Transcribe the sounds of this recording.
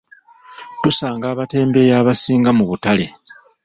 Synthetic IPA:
tusaːŋɡaːβate̞ːmbe̞jaːβasiːŋɡamuβutale̞

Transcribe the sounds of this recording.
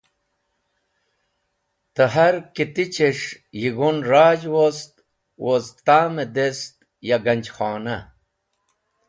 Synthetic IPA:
t̪əɦɐɾkit̪it͡ɕeʂ | jiɡunɾaːd͡ʑwost̪ | wozt̪aːmed̪est̪ | jaɡɐnʲd͡ʑxaːnɐ

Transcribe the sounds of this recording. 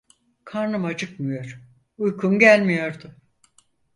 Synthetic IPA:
kʰaɾnɯmad͡ʒɯkmɯjo̞ɾ̥ | ujkʰumɟælʲmijo̞ɾd̪ʊ

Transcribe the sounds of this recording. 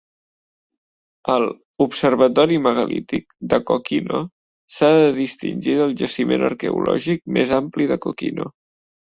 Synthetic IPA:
əl | upsəɾβ̞ət̪ɔɾiməɣəlḭt̪ik̚d̪əkokino | saðəðist̪ḭnʲʒiðəlˠʒəsimenʔə̰ɾkəulɔʒik̚mezampliðəkokḭno̰

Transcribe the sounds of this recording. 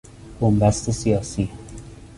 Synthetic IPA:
b̥ombæst̪esijɒːsiː

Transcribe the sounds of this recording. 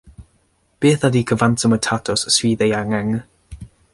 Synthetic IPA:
b̥iəθadiːkʰəvantʰəmətʰatʰɔsswiːðɛjaŋɛŋ

